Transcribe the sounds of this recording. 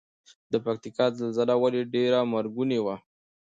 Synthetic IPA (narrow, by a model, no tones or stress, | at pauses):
d̪əpak̚t̪ikɑzalzalawaleɖeɾamaɾɡunewa